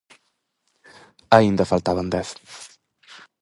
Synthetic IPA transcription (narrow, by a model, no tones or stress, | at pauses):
aind̪əfalˠt̪aβand̪ɛθ